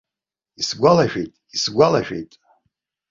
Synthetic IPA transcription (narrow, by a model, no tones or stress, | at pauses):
isɡʷalaʃᶣejtʼisɡʷalaʃᶣe̞̰jtʼ